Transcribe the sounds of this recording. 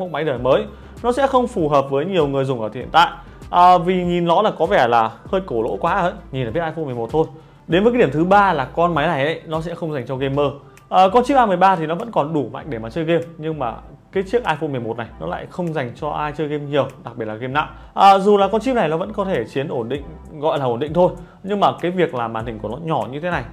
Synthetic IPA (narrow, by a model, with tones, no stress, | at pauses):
mo̰˧˩ma˨˦jɗəː˨˩məː˨˦j | nɔ˨˦sɛ̰˧˥xə˧wŋ͡mfu˨˩ɦəː˨˩p̚vəː˨˦jɲi˨˩əwŋɨ˨˩əjzʊ˨˩ŋ͡mʔəː˧˩t̪ḭ˧˨ənt̪a̰ː˧˨j | ʔəː˨˩vi˨˩ɲi˨˩nlɔ˨˦laː˨˩kɔ˨˦vɛ˧˩laː˨˩həː˧jko˧˩lo̰˧˥kwaː˨˦ə̰ː˧˥jɲi˨nla˨˩ɓi˦˥t̚ʔaː˧fo˧nm˨˩m˨˩t̚t̪ʰo˧j | ɗe˨˦nvːja˨˦ɗi˧˩əmt̪ʰɨ˨˦ɓaː˧laː˨˩kɔ˧nma˨˦jna˨˩jʔə̰˧˦jnɔ˨˦sɛ̰˧˥xə˧wŋ͡mza˨˩ŋt͡ɕɔ˧ɣe˧mːəː˧ | ʔəː˨˩kɔ˧nt͡ɕi˦˥ʔaː˧m˨˩əjɓaː˧t̪ʰi˨˩nɔ˨˦və̰˧˥nkɔ˨˩nɗu˧˩ma̰˧˨jŋ̟ɗe˧˩maː˨˩t͡ɕəː˧jɣe˧mɲɨ˧ŋmaː˨˩ | kaː˨˦jt͡ɕi˦˥ək̚ʔaː˧jfo˧nm˨˩əjmo˨˩t̚na˨˩jnɔ̰˨˦la̰ː˧˨jxə˧wŋ͡mza˨˩jŋ̟t͡ɕɔ˧ʔaː˧jt͡ɕəː˧jɣe˧mɲi˨˩əwɗa˨˩ɓi˨˩ətla˨ɣe˧mna̰ː˧˨w | ʔəː˨˩zu˨˩laː˨˩kɔ˧nt͡ɕi˦˥p̚na˨˩jnɔ˨˦ə̰˧˥nkɔ˨˦t̪ʰe˧˩t͡ɕi˨˦ənʔo˧˩nɗḭ̈˧˨ŋ̟ | ɣɔ̰˧˨jlaː˨˩ʔo˧˩nɗï˧˨ŋ̟t̪ʰo˧j | ɲɨ˧ŋmaː˨˩kaː˨˦jvi˨˩ək̚laː˨˩ɓa̰ː˧˩nt̪ï̟˨˩ku˧˩nɔ˨˦ɲɔ˧˩ɲɨ˧t̪ʰe˨˦na˨˩j